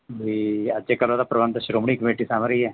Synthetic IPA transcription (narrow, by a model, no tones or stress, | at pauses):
ɦiəd͡ʒekəloːd̪aːpɾəʋənt̪əʃɾoːmɳ̃iːkəmeːʈisaːmɾəiːɦɛː